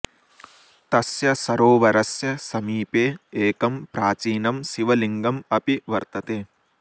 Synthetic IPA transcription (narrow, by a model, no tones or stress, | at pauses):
t̪ɐsjɐsɐɾoːʋɐɾɐsjɐsɐmiːpeːeːkɐmpɾaːt͡ʃiːnɐmsiʋɐliŋɡɐmɐpiʋɐɾt̪ɐt̪eː